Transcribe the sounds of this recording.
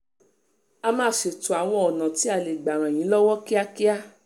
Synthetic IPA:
a˧mãː˦˨ʃe˨tu˨a˨w̃ɔ̃˧ɔ˨nã˨ti˨˦a˦˨le˨ɡ͡ba˨ɾ̃ã˨j̃ĩ˨˦lɔ˦wɔ˦ki˦a˦ki˦a˦

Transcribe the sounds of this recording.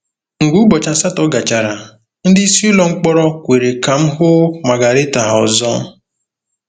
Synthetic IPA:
ŋ̩˨ɡu˦ɡ͡bɔ˨t͡ʃa˨sa˦tɔ˦ɡa˨t͡ʃa˨ɾa˨ | n̩˦dɪ˦slɔ˨ŋ͡m̩˦k͡pɔ˦ɾɔ˦kʷe˨ɾe˨ka˨m̩˦ɦʊ˦ma˨ɡa˨ɾɪ˦ta˨ɦɔ˨zɔ˦

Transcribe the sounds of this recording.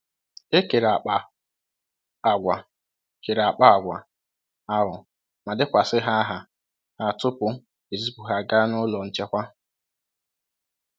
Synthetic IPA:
e˦ke˨ɾa˨k͡pa˨ | a˨ɡʷa˨ | ke˨ɾa˨k͡pa˦a˨ɡʷa̰˨ | a˦ɦʊ˨ | ma˨dɪ˦kʷa˨sɪ˦ɦa˦ɦa˨ | ha˨tʊ˦pʊ˦ | e˨zi˦pu˨ɦa˦ɡa˦nʊ˦lɔ˨n̩˦t͡ʃe˦kʷa˦

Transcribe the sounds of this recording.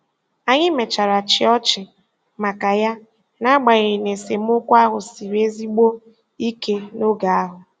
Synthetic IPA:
a˨ɲɪ˦me˨t͡ʃa˨ɾa˨t͡ʃɪ˦ɔ˦t͡ʃɪ˨ | ma˨ka˨ja˦ | na˦ɡ͡ba˨ɣɾɪ˨ne˨se˨m̩˦ʊ˦kʷa˦ɦʊ˨si˨ɾe˦zi˦ɡ͡bo˦ | i˦ke˦no˦ɡa˨a˦ɦʊ˨

